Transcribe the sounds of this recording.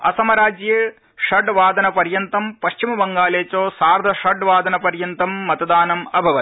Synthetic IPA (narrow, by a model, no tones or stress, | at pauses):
ɐ̰sɐmɐɾaːd͡ʑjɐ | ʂɐɖʋaːd̪ɐnɐpɐɾjɐnt̪ɐmpɐɕt͡ʃimɐbɐŋɡaːleːt͡ʃːoːsaːɾd̪ʱɐʂɐɖʋaːd̪ɐnɐpɐɾjɐnt̪ɐmːɐt̪ɐd̪aːnɐmɐbʱɐʋɐ